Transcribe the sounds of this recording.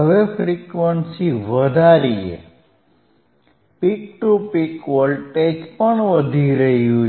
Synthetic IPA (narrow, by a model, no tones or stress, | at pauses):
ɦəʋefʰɾikʋənsiʋəd̪ʱaɾiḛ | pik̚ʈupikʋəlʈed͡ʒpəɳʋəd̪ʱiɾəɦiɦo